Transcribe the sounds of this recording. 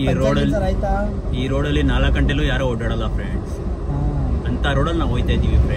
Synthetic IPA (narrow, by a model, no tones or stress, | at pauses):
iːɾoːlɐt̪a | iːɾoːɽɐlinaːlɐkɐɳʈeloːjaːɾoːoɖɐɽɐlaːpʰɾeɳɖs | ɐnt̪aɾoːɽɐlnaːojt̪ed̪iʋipɾe